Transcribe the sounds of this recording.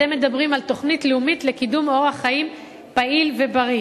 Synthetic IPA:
emːe̞d̪abʁimalt̪o̞χnitleumitle̞kidumo̞ʁaχaim | pailve̞baʁi

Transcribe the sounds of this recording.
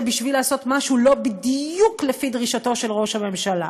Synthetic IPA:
biʃvilaːso̞t̪maʃulo̞bid̪juklefid̪ʁiʃat̪o̞ʃe̞lʁo̞ʃhame̞mʃala̰

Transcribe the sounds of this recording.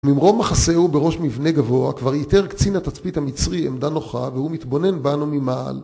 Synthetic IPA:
umimʁo̞maχaseubeʁo̞ʃmivne̞ɡavo̞akvaʁjit̪e̞ʁkt͡sinhat̪at͡spithamit͡sʁiemd̪ano̞χavehumit̪bo̞ne̞nbanumima̰ːl

